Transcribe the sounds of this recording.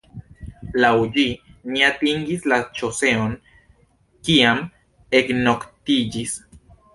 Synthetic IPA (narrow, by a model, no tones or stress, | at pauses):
lauʎiniat̪iŋɡislat͡ʃoseoŋ | kiam | eknokt̪id͡ʒis